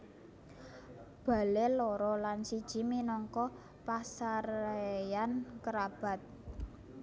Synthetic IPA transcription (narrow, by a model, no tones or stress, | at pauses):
b̥a̤leloɾɔlansid̥ʒ̥i̤minɔŋkɔ | pasaɾejankəɾab̥a̤t̪̚